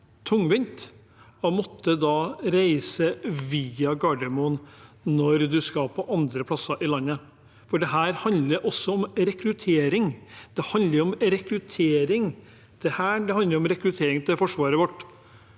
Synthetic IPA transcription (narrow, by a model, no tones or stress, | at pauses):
t̪ʰʊŋʋɪnt̪ | ɔmɔt̪ʰːəd̪ɑːɾæɪsəʋiːɑɡɑɖɛmʊnnɔɾd̪ʉskɑpʰɔʔɑnd̪ɾəpʰlɑsɑʔɪlɑnːə | fɔɖɛɦæːɾhɑnd̪ləɾʔɔsːɔɔmɾɛkɾʉt̪ʰeːɾɪŋd̪̥ɛhɑnd̪ləɾɔmɾɛkɾʉt̪ʰeːɾɪŋ | d̪̥ɛhæːɖɛhɑnd̪əɾɔmɾɛkɾʉt̪ʰeːɾɪŋt̪ʰɪlfɔʂʋɑːɾəʋɔʈː